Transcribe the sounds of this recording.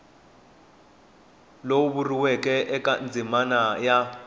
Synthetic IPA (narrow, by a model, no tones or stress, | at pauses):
lowuɓuriwɛkʼɛʔɛkʼand͡zʱimanaja